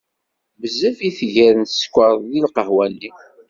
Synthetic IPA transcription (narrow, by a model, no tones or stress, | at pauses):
bəzːəfiθʝæɾənskʷːəɾˤðˤðilqəhwænːi